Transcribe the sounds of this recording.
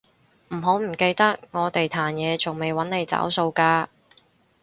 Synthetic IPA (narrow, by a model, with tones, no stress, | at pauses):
m̩˨˩ɦo˨˥wm̩˨˩ke˧jt̪ɐ˥k̚ŋɔː˨˧t̪e˨jt̪ʰaː˨˩njɛː˨˧t͡so˨˩ŋme˨jwɐ˨˥nne˨˧jt͡sa̰ː˨˥wso˧wkaː˧